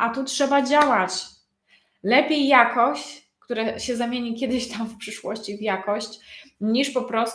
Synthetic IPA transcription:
ʔat̪utʂɛbad͡ʑawat͡ɕ | lɛpʲjejːakɔɕt͡ɕ | kt̪uɾaɕɛzamʲjeɲikʲɛd̪ɘɕt̪amfpʂɘʂwɔ̰ɕt͡ɕivjakɔɕt͡ɕɲiʂpɔpɾɔs

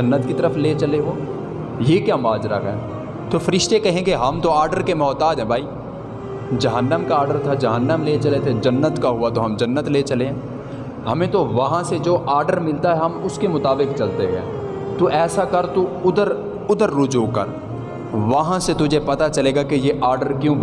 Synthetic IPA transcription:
d͡ʒɐnːət̪kit̪ɐɾəfʰlet͡ʃɐleɦoː | jekjamaːd͡ʒɾa̰ɦɦɛː | t̪ofɐɾɪʃt̪ekɐɦẽɡeɦɐmt̪oaːɾɖəɾkemɔːt̪aːd͡ʒɦɛ̃bʱaːi | d͡ʒɐɦənːəmkaaːɾɖəɾt̪ʰad͡ʒɐɦənːəmlet͡ʃɐlet̪ʰed͡ʒɐnːət̪kaɦuat̪oɦɐmd͡ʒɐnːət̪let͡ʃɐleɦɛ̃ | hɐmẽt̪oʋɐɦãsed͡ʒoːʔaːɾɖəɾmɪlt̪aɦɛɦɐmʊskemʊt̪aːbɪkt͡ʃɐlt̪eɦɛ̰ː | t̪uʔɛːsakɐɾt̪uʊd̪əɾ | ʊd̪əɾːʊd͡ʒuːkɐ̰ɾ | ʋɐɦãset̪ʊd͡ʒʱepɐt̪at͡ʃɐleːɡakejeʔaːɾɖəɾkjõ

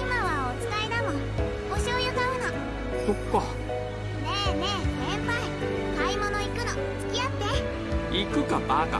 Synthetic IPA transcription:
imaβaot͡sɨ̥kainamo | hoɕiojɯkaɯ̟no | sokːo | nenesembai | kaimonoikɯ̟no | t͡sɨ̥kʲiat̪ːe | ikɯ̟kabaka̰

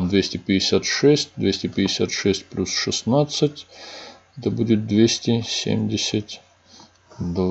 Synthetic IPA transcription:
md̪vʲesʲtʲɪpʲɪɪsʲat̪ʂɛsʲt̚ʲd̪vʲesʲtʲɪpʲɪɪsʲa̰t̪ʂɛsʲt̚ʲplʲusʂɨsnat̪sɨtʲ | ɛt̪əbudʲɪt̪̚d̪vʲesʲtʲɪsʲḛmʲdʲɪsʲɪtʲ | d̪v

